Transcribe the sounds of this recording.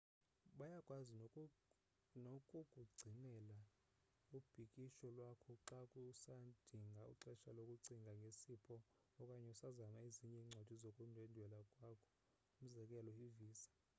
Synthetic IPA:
ɓajakʼwazi | nokʼukʼuɡ͡ǀʱinɛla | ub̥ʱikʼiʃɔlwakʰɔǁakʼusad̥ʱiŋɡʱauǁɛʃalokʼuǀiŋɡʱaŋɡʱesipʰɔ | ɔkʼaɲɛusazamaeziɲɛiŋ͡ǀʱad̥ʱizokʼundʱwɛndʱwɛlakʼwakʰɔ̥ | um̩zɛkʼɛlɔiviːsḁ

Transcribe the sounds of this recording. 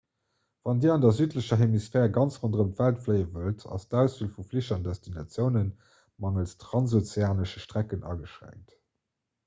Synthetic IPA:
vɑndiːɐɑndɐzyːtləɕɐɦemisfɛːʁɡɑnt͡sʁondəʁəmtv̥æltfləɪəvəltʰɑ̰sdæʊsuːlfufliʃɐndæstʰinɑ̰t͡sjəʊnən | mɑŋəlstʁɑnsot͡seaːnəʃəʃtʁækənʔɑ̰ːɡəʃʁæ̰ŋk̚t

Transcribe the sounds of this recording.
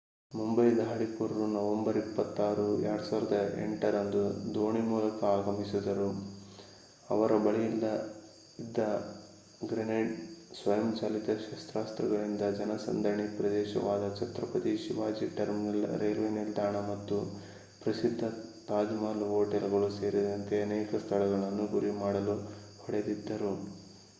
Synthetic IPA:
mumbɐjd̪ʱaːɽikuɾɐɾunɐʋɐmbɐɾipːɐt̪ːaːɾuɛ̰ɐɽɐsaːʋiɾɐd̪ɐḛɳʈɐɾɐnd̪ud̪oːɳimuːlɐkɐaːɡɐmisid̪ɐɾu | ɐʋɐɾɐbɐɭijilːɐ | id̪ːɐ | ɡɾeneɖsʋɐjɐmt͡ʃaːlit̪ɐʃɐst̪ɾaːst̪ɾɐɡɐɭind̪ɐd͡ʒɐnɐsɐ̰nd̪ɐɳipɾɐd̪ɛːʃɐ̰ʋaːd̪ɐt͡ʃɐt̪ɾɐpɐt̪iʃiʋaːd͡ʒiʈɐɾmnil̰ɾeːlʋenild̪aːɳɐmɐt̪ːu | pɾɐsid̪ʱːɐt̪aːd͡ʒ̪imaːlɦoːʈelɡɐɭuse̞ːɾid̪ɐnt̪e̞ɐnɛːkɐst̪ʰɐɭɐɡɐɭɐnːuɡuɾimaːɽɐlupɐɽed̪id̪ːɐɾu

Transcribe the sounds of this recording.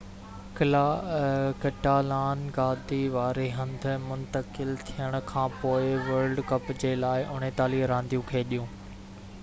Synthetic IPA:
kɪla | kɐʈaːlaːnɡaːd̪iʋaːɾeɦɐ̃nd̪ʱʊmʊ̃nt̪əkɪlt̪ʰijəɽ̃ʊ̆kʰãːpoːɪʋɐɾɖkɐpd͡ʑelaːɪʔʊn̤et̪aːliːɾãːnd̪ijũkʰeːɗijũː

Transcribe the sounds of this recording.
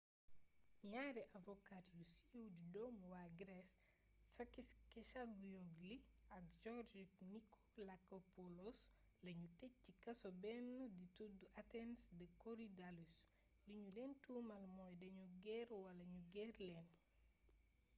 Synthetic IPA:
ɲaɾɛʔavɔkatjusiwdidɔmwaɡɾɛsː | ɐkiskɛʃaɡujoɡliɐk̚d͡ʒɔɾd͡ʒiknikʰo̥lakopolos | lɐɲutɛcikɐsobɛnːdituduʔatɛnsdəkoɾidalus | liɲulɛntumɐlmɔjdɐɲuɡɛɾwɐlɐɲuɡɛrlɛn

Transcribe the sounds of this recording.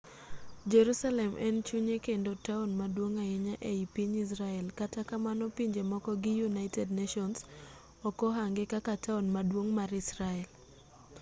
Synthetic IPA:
d͡ʒeɾusalɛmʔɛ̰nt͡ʃuɲekendotaonmadwoŋaɪɲaʔeipiɲis̬ɾaɛlkatakamanɔpiɲd͡ʒemɔkɔɡɪjunaɪtɛdnaʃɔns | ɔkɔɦaŋɡɪkakatʰaonmadwoŋmaɾɪsɾaɛl

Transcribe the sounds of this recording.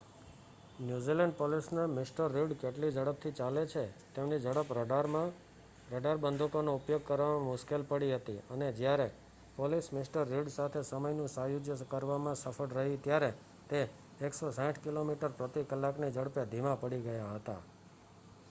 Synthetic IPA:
njuzilɛɳɖpolisnamɪsʈəɾːiɖkeʈlid͡ʒəɽəp̚t̪ʰit͡ʃalet͡ʃʰet̪emnid͡ʒəɽəpɾəɖɾmã | ɾəɖaɾbənd̪ʱukonoupjoɡ̚kəɾʋamãmʊʃkelpəɽiɦət̪iəned͡ʒjaɾe | polismɪsʈəɾːiɖsat̪ʰesəməjnũsajud͡ʒjəkəɾʋamãsəfʰəɽɾəɦit̪jaɾe | t̪eː | ksosãʈʰkilomiʈəɾpɾət̪ikəlːaknid͡ʒəɽpjad̪ʱimãpəɽiɡəjaɦət̪a̰

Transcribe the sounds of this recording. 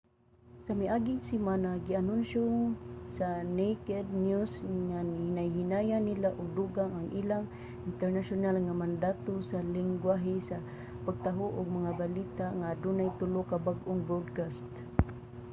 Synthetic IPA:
samiʔaɡɪŋsimanaɡianunʃʊsanejkɛd̪̚njusŋanhnajɦinajanilaʔʊɡ̚duɡaŋaŋʔilaŋ | ɪnt̪ɛɾnaʃʊnalŋamand̪at̪osalɪŋɡwaɦɪsa | paɡ̚t̪aɦʊʔʊɡ̚maŋabalit̪aʔŋadunajt̪ʊlʊkabaɡʔʊŋbodkast̪

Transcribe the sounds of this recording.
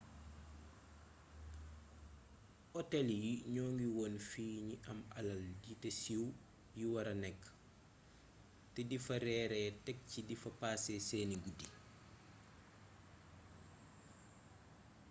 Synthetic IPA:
ʔɔtɛljiɲɔːŋɡiwɔːnfiːɲiʔɐmɐlɐlditɛsiw | jiwɐɾɐnɛkː | tɛdifɐɾɛːɾɛtɛk̚cidifɐpaːsɛsɛːniɡudi

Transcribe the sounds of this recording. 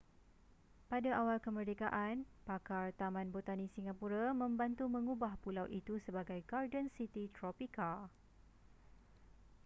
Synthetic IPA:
padaʔawalkəmərdekaʔanpakart̪amãnbot̪anĩsiŋapuɾamə̃mbant̪umə̃ŋubahpulawʔit̪usəbaɡajɡardənsit̪it̪ɾɔpikal

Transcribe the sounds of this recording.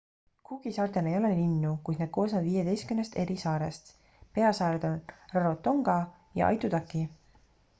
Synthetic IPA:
kuɡ̥isɑːrt̪e̞lejo̞lelinːukujd̪̥nɑd̪̥̚ko̞ːsnɑd̪viːje̞d̪e̞jst̪kymnest̪e̞ɾisɑːɾest̪ | pe̞ɑsɑːɾed̪o̞nrɑɾo̞t̪ːo̞ŋɡ̥ɑ | jɑ̰ʔɑ̰jt̪ud̪ɑkːˑi

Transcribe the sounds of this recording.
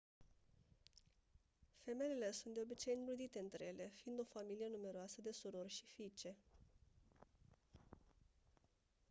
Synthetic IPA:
fe̞me̞ele̞sunt̪̚d̪e̞o̞bit͡ʃeiŋɡlud̪it̪e̞ɨnt̪ɾeje̞le̞fiːnd̪o̞familije̞nume̞ɾoasəd̪e̞suɾo̞rʲʃifit͡ʃe̞

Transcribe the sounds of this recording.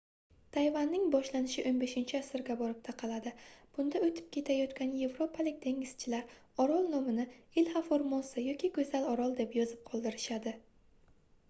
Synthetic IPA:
t̪ʰajvanːɪŋbɒʃlanɪʃɪʔonbe̞ʃɪnt͡ʃʰɪasɪɾɡʲabɒɾɪp̚t̪ʰaqʰɑlad̪ɪb̥ʊnd̪aɵt̪ʰɪ̥p̚kʲʰe̞t̪ʰajɒt̪kʲanje̞vɾopʰalɪkʲd̪ʰe̞ŋʲɪz̥t͡ʃʰɪlaɾɒɾɒlˠnɒmɪnɪɪlhafoɾmonsɪjɒkʲʰikʰɵzalɒɾɒlˠd̪e̞pjɒzɪp̚qʰɒlˠd̪ɪɾɪʃad̪ɪ

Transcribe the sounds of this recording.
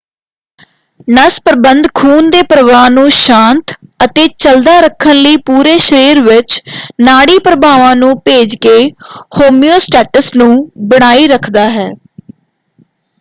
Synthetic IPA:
nəspəɾbənd̪kʰuːnd̪eːpɾəʋaːnũːʃãːnt̪ət̪eːt͡ʃəld̪aːɾəkʰːənləiːpuːɾeːʃəɾiːɾʋɪt͡ʃnaːɽiːpɾəbaːʋãːnũːpeːd͡ʒkeːhoːmioːsʈɛːʈəsnũːbəɽ̃aːiːɾəkʰd̪aːɦɛː

